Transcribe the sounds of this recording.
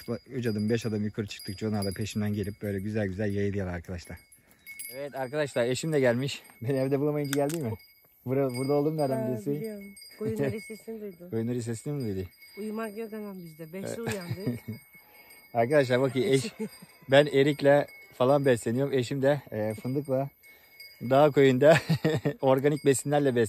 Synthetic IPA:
but͡ʃad̪ɯmbɛʃad̪amjukʰaɾɯt͡ʃʰɯ̥k̚t̪ʰɯk̚t͡ʃʰonaɾd̪apʰeʃimd̪ænɟelʲip̚bø̞jlʲɛɟyzælʲɟyzælʲjajɯd̪ˠijalˠaɾkʰad̪aʃlˠaɾ̥ | evɛt̪aɾkad̪aʃlˠaɾe̞ʃimd̪ɛɟælʲmiʃbenhɛvd̪ɛbulˠamajɯmd͡ʒʰiɟælʲd̪imɪ | buɾabuɾd̪aolˠd̪umnæɾd̪æmb̪iɾsin | sd̪ud̪ujunaɾɯs̬esʲiimd̪ujd̪iujmaiz | aɾkad̪aʃ̬lˠaɾbakɯɛʃ | bæneɾiclʲɛfalˠanbɛslʲeijo̞ɾumeʃimd̪ɛfɯnd̪ɯklˠa | d̪aɦakʰojund̪a | o̞ɾɡanic̚besinlʲæɾlʲɛbɛs

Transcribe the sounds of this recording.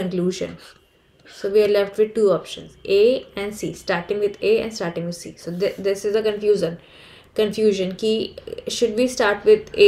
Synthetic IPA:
ə̃nkluːʒə̰̃n | soːʋiːaɾlɛfʈʋɪd̪̚ʈuːɔːpʃə̰̃nzʔeːɛ̃ɳɖsiːsʈaːɾʈɪ̃ŋɡʋɪd̪eːɛ̰̃nɖsʈaːɾʈɪ̃ŋɡʋɪd̪sḭːsoːd̪ɪd̪ɪsɪzəkə̃nfjuːʒə̃n | kə̃nfjuːʒə̃nkiʃʊɖ̚ʋiːsʈaːɾʈʋɪd̪e

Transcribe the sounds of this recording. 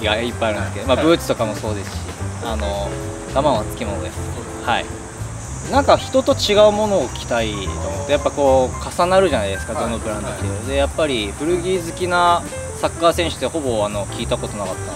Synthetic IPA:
iɡaipːajaɾɯ̟nesɨkeomabɯ̟ːt͡sɨ̥t̪o̞kamo̞so̞ːd̪e̞sɨ̥ɕḭa̰no̞ | ɡ̥̪amãat͡sɨ̥kʲimo̞no̰d̪es | haḭ | nãŋkaçi̥t̪o̞t̪o̞t͡ɕiɡaɯ̟mo̞no̞ːkʲi̥t̪ait̪oːmoɯt̪ːejapːako̞ːkasanaɾɯ̟ʑanaid̪e̞sɨ̥kad̪o̞nːopɯ̟ɾãnd̪ot̪ːejoɾɯd̪e̞japːaɾʲib̥ɯ̟ɾɯ̟ɡʲiːzɨkʲina | sakːaːsẽ̞ɰ̃ɕɨ̥t̪ːeho̞bo̞ano̞kʲiːt̪ako̞t̪o̞nakat̪ːã

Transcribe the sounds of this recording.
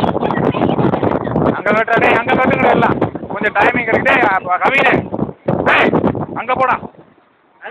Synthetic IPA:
ɐŋɡɐkeːʈːaːɽeːɐŋɡɐkeːʈːɯŋɡɐɽeɛlːãːmkɔɲd͡ʒɐʈɐːjmɪŋɡɐɾkːɪʈeakɐʋiːne | eːɐŋɡɐpoːɽãː

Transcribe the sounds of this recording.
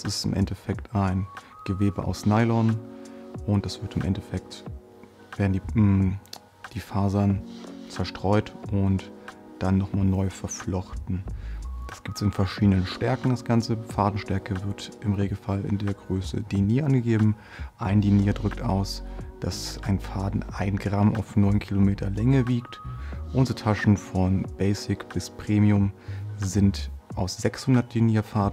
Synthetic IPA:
sɪstɪ̰mʔɛ̰ntɛfɛktʰaɪn | ɡ̥əveːbə̰ʔa̰ʊsnaɪlɔn | ʔʊnt̚d̥asv̥ɪɐtɪmʔɛ̰ntɛfɛk̚t | v̥eːɐdn̩diː | d̥iːfaːɐzɐnt͡sɛɐʃtʁ̥ɔʏtʔʊntd̥anːɔχmaːlnɔʏfɛɐflɔχtn̩d̥asɡ̥iːp̚tsɪnfɛɐʃiːdənənʃtɛɐkŋ̩d̥asɡ̥ant͡səfaːdn̩ʃtɛɐkəvɪɐtʔɪmʁeːɡl̩falɪ̰ndeːɐɡʁøːsə̰diniːʔanɡəɡeːbm̩ | ʔaɪndiniːɐdʁʏktʔa̰ʊsd̥asʔaɪnfaːdn̩ʔaɪnɡʁamʔa̰ʊfnɔʏnkʰilomeːtʰɐlɛŋəviːktʔʊnzətʰaʃn̩fɔnb̥ɛɪsɪkb̥ɪspʁ̥eːmiʊmzɪntʔaʊsz̥ɛkshʊndɐt̚d̥iniːɐfaːdn̩

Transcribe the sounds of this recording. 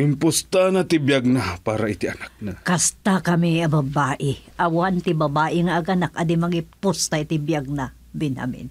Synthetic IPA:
ʔɪmpʊst̪anat̪ɪbjaɡ̚napaːɾaɪt̪ɪʔɐnak̚nakɐst̪akɐmɪɐbɐbaːʔɪʔɐwant̪ɪbɐbaːʔɪŋaʔɐɡɐnakɐd̪ɪmɐɡɪpʊst̪aʔɪt̪ɪbjaɡ̚na | bɪnha̰mɪ̰n

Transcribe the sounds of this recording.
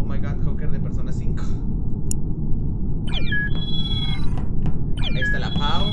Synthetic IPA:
majɣat̪xowkeɾðepeɾsonasiŋko̥ | enesd̪elapʰaw

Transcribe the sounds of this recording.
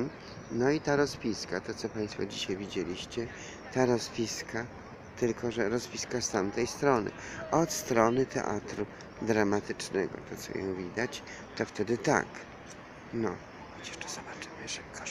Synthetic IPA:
nɔit̪aɾɔzpʲiskat̪ɔt̪sɔpaj̃st̪fɔ̰d͡ʑiɕajvʲid͡ʑelʲiɕt͡ɕɛ | t̪aɾɔzvʲiskʰa | t̪ɘlkɔʐɛɾɔzvʲiskast̪amt̪ɛjst̪ɾɔnɘ̰ɔt̪st̪ɾɔnɘt̪ɛ̰ʔa̰t̪ɾu | d̪ɾamat̪ɘt͡ʂnɛɡɔ̰t̪ɔt̪sɔ̰jɔ̰̃w̃vʲid̪at͡ɕ | t̪ɔft̪ɛd̪ɘt̪a̰k | nɔ | xɔt͡ɕɛ̥ʂt̪ɔ̥zɔbat͡ʂɘmɘʐɛkɔ

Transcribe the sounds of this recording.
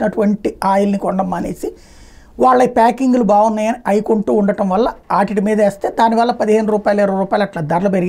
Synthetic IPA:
nɐʈuʋɐɳʈiaːjulnikɔɳɖɐmːaːnḛːsi | ʋaːɭːɐjpaːkiŋɡulubaːwunːaːjɐniʔɐjikoɳʈuːɳɖɐʈɐmʋɐlːɐaːʈiʈimiːd̪ɐeːst̪e̞ːd̪aːniʋaːlːɐpɐd̪iɦeːnuɾuːpaːjleɾuɾuːpaːjilɐʈlaːd̪ɐɾɐlɐpeɾiɡ

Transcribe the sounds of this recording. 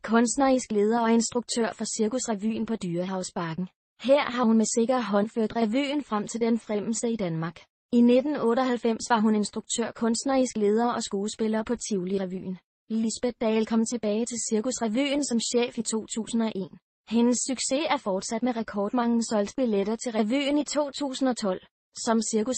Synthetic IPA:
kʰɔ̽nsd̥nɐisɡ̥le̝ːð̞ˠɐɒ̽e̝nsd̥ʁuɡ̥̚t͡sʰø̰ɐ̰fɒ̽siɐkusʁæʋy̰ːn̩pʰɒ̽d̥yːɐɦɑ̈ʊsb̥ɑ̈ɡ̥n̩ | heɐ̰ɦɑ̈hunmese̝ɡ̥ɐɦɒ̽nføɐ̰d̥ʁæʋy̰ːn̩fʁam̰t͡sʰe̝ld̥enfʁem̰l̩səid̥ænmɑ̈ːɡ̥ | ine̝d̥n̩ɔ̽ːɾəɒ̽ɦælfem̰sʋɑ̈ɦune̝nsd̥ʁuɡ̥̚t͡sʰøɐ̰kʰɔ̽nsd̥nɐisɡ̥le̝ːð̞ˠɐɒ̽sɡ̥oːləsb̥e̝lɐːpʰɒ̽t͡sʰiʊliʁɛʋy̰ːn̩ | lisb̥ed̚d̥ɛːlkʰɒ̽m̰t͡sʰe̝b̥ɛːɪt͡sʰe̝lsiɐkusʁɛʋy̰ːnsɒ̽mɕḛːfit͡sʰo̝̰ːt͡sʰṵːsn̩ɒ̽ʔe̝̰ːn | henəsːyɡ̥se̝æɐfɒːd̥sæd̥meʁɛkʰɒːd̥mɑ̈ŋ̰n̩sɒ̽l̰d̥b̥iled̥ɐt͡sʰe̝lʁæʋy̰ːnit͡sʰo̝̰ːt͡sʰṵːsn̩ɒ̽t͡sʰɒ̽l̰ | sɒ̽msiɐkus

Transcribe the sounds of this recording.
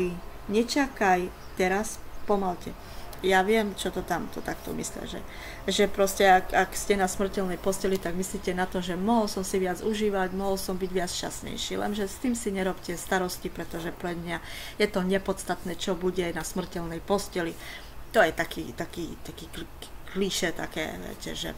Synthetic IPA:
i | ɲɛt͡ʃakaj | t̪ɛɾaspɔmalcɛ̰ | jaʋɪɛmt͡ʃɔt̪ɔt̪amt̪ɔt̪akt̪ɔ̰mḭslɛ̰ʒɛ̰ | ʒɛpɾɔscɛakakscɛnasmr̩cɛlnɛjpɔscɛlit̪aɡmisliːcɛnat̪ɔʒɛmɔɦɔlsɔmsiʋɪad͡zuʒiːʋaɟmɔɦɔlsɔmbiɟʋɪat͡sʃt͡ʃa̰sɲɛ̰jʃḭːlɛ̰nʒɛst̪iːmsiɲɛɾɔpcɛst̪aɾɔscipɾɛt̪ɔʒɛpɾɛd̪mɲa | jɛt̪ɔɲɛpɔt̪st̪at̪nɛːt͡ʃɔbuɟɛnasmr̩cɛlnɛjpɔscɛli | t̪ɔjɛt̪akḭːt̪akiːt̪akiːklkliʃɛt̪a̰kɛ̰ːʋɛ̰cɛ̰ʒɛ̰

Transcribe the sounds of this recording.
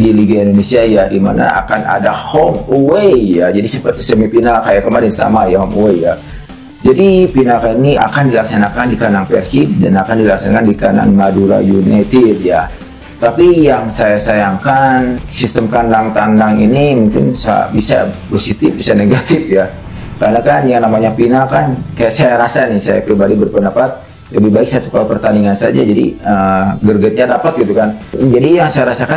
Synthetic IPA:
diliɡiaindonesiajadima̰na̰a̰kana̰dahɔmuwejad͡ʒadisəpərt̪isəmipinakajakəmaɾɪnsa̰majahɔmuweja | d͡ʒadipinakania̰kandilaksanakandikanaŋpɛ̰rsidanakandilaksanakandikana̰ŋmaduɾa̰junat̪ɪd̚ja | t̪apijaŋsajasajaŋkansist̪əmkandaŋt̪andaŋinimuŋkɪ̰nsa̰bisa̰posit̪ɪfbisaneɡat̪ɪfja | kanakanjaŋnamaɲapinakankajaʔsajaɾasanisa̰ja̰pɾibadibərpəndapat̪̚ | ləbibaɪk̚sat̪ukalapərt̪aniŋansad͡ʒa̰d͡ʒadḭəɡərɡət̪̚ɲadapat̪̚ɡit̪ukand͡ʒadijaŋsajaɾasaka

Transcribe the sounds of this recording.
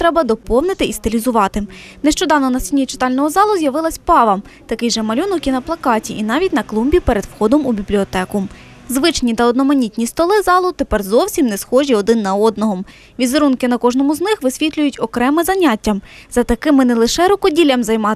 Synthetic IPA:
t̪ɾɛbɐd̪ɔpɔwnɪt̪ɪist̪ɪlʲizʊʋɑt̪ɪ | nɛʃt͡ʃɔd̪ɑwnɔnɐsʲinʲit͡ʃɪ̥t̪ɑlʲnɔɦɔzɑlˠʊzʲjɐʋɪlˠɐsʲpɑʋɐmt̪ɐkɪjʒɛmɐlʲɔnɔkʲinɐplˠɐkɑtʲiʔinɑʋʲitʲnɐklˠumbʲipeɾed̪wxɔd̪ɔmubʲiblʲiɔt̪ɛkʊ | zʋɪt͡ʃnʲit̪ɐɔd̪nɔmɐnʲitʲnʲist̪ɔlˠɪzɑlˠʊt̪epɛrzɔwsʲimnɛsxɔʒʲiɔd̪ɪnːɐɔd̪nɔɦɔm | ʋʲizeɾunkɪnɐkɔʒnɔmʊznɪxʋɪsʲʋʲit̪lʲʊjʊtʲɔkɾɛmɪzɐnʲatʲːɐmz̥ɐt̪ɐkɪmɪnɛlˠɪʃɛɾɔkɔdʲilʲɐmzɐjmɑ

